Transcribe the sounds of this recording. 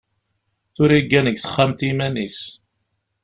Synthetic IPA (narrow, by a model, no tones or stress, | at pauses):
θʊɾiɡːænəɡθə̥χːamt̪imænis